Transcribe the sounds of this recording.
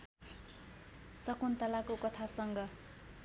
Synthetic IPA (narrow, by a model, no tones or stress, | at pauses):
sʌkunt̪ʌlakokʌt̪ʰasʌŋɡʌ